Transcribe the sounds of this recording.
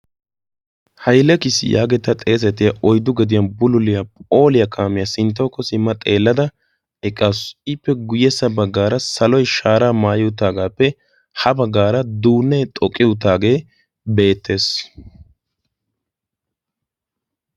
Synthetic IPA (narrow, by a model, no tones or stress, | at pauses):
hɐjlɛkɪsɪ̰jʔa̰ːɡɛt̪ːɐt̪ʼe̞ːs̬ɛt̪ɪjɐʔɔjd̪ʊɡɛd̪ɪjɐnbʊlʊlɪjɐpʼo̞ːlɪjɐkʰaːmɪjɐsɪnt̪̬ːɔːkːɔsɪmːɐt̪ʼe̞ːlːɐd̪ɐ | ɛkʼːasɪpːɛɡʊjɛsːɐbɐɡːaːɾɐsɐlɔjʃaːɾaːmaːjɪʊt̪aːɡaːpːɛ | hɐbɐɡːaːɾɐd̪uːnːɛt̪ʼɔkʼːɪʊt̪̬ːaːɡe̞ː | be̞ːt̪ːe̞ːs